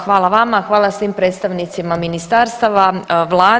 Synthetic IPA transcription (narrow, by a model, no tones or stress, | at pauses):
xʋaːlˠaʋamaxʋaːlˠasʋiːmpɾe̞ːt̪st̪aʋnit̪simaminist̪aɾst̪aʋaʋlˠaː